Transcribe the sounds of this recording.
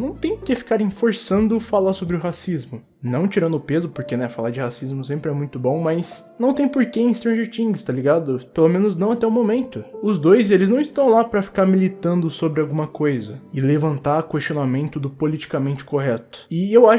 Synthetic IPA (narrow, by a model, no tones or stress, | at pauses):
nɐ̃w̃t̪ẽj̃ɾkefi̥kaɾĩfoɾsɐ̃nd̪ʊfalaɾsobɾɪʊɦasizmʊ | nɐ̃w̃t͡ʃiɾɐ̃nd̪ʊpezʊpoɾkenɛfalaɾd͡ʒɪhasizmʊsẽmpɾɪɛmũj̃t̪ʊbõw̃mɐjsnɐ̃w̃t̪ẽj̃poɾkeẽst̪ɾɐ̃ʒeɾt͡ʃĩŋɡɪst̪aliɡad̪ʊpelomẽnʊznɐ̃w̃at̪ɛʊmomẽnt̪ʊʊzd̪ojzelɪznɐ̃w̃ɪst̪ɐ̃w̃lapɾɐfi̥kaɾmilit̪ɐ̃nd̪ʊsobɾɪawɡũmɐkojzɐɪlevɐ̃nt̪aɾkwest͡ʃionamẽnt̪ʊd̪ʊpolit͡ʃi̥kamẽnt͡ʃɪ̥koɦɛt̪ʊ̥ɪewaʃ